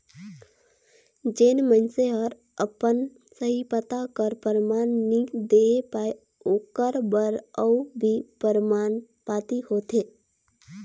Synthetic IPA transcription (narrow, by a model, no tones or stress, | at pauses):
d͡ʒeːnmə̃nseɦəɾ | əpən | səɦipət̪akəɾpəɾmaːnnid̪eːpaːe | oːkəɾbəɾəubʱipəɾmaːn | paːt̪ihoːt̪eː